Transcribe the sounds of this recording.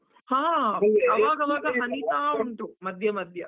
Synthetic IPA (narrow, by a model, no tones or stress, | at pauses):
hãːɐʋaːɡɐʋaːɡɐɦɐnit̪aːuɳʈumɐd̪ʱjɐmɐd̪ʱjɐ